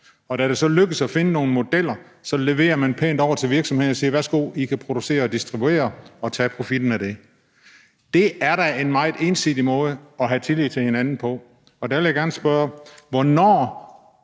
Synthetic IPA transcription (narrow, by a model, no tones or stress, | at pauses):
ɒ̽d̥æɾ̥e̝sɒ̽løɡ̥əð̩sɒfe̝nəno̝ːn̩mo̝d̥el̰ɐ | sɒ̽le̝ʋe̝̰ːɐmænpʰeːnd̥ɒʊ̰ɐt͡sʰe̝lʋiɐɡ̥sɒmhe̝ðˠnɒsiːɐʋæsɡ̥o̝̰ːikʰæpʰʁo̝d̥use̝̰ːɐɒd̥isd̥ʁib̥ue̝̰ːɐɒ̽t͡sʰɛpʰʁo̝fid̥n̩æd̥e̝ | d̥e̝æɐɾæe̝nmɑ̈ɪð̩ˠe̝nsiðd̥imɔ̽ːð̞̩ˠəɒ̽ɦæt͡sʰe̝lið̥̚ˠt͡sʰe̝he̝nænn̩pʰɒ̽ | ɒ̽d̥æʋeljaɡ̥æɐnəsb̥ɶɐʋɒnɒ̰ː